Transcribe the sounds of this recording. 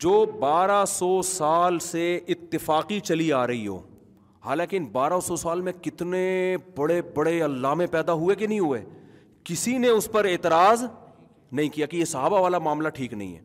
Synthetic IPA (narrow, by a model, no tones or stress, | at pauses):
d͡ʒoːbaːɾasɔːsaːlseɪt̪ːɪfaːqit͡ʃɐliaːɾɐɦiɦo̰ː | haːlãːkeɪnbaːɾasɔsaːlmẽkɪt̪nebɐɽebɐɽeɐlːaːmẽpɛːd̪aɦʊekenɐɦĩɦuḛː | kɪsineʊspɐɾeːt̪ɪɾaːz | nɐɦĩkijakejesɐɦaːbaʋaːlamaːmlaʈʰiːknɐ̰ɦḭ̃ɦɛ̰ː